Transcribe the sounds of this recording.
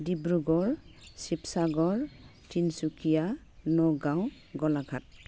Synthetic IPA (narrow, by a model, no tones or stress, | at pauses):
dibɹuɡɔɹsipsaɡɔɹ | tinsukija | nɔɡãw | ɡɔlaɡʱat̚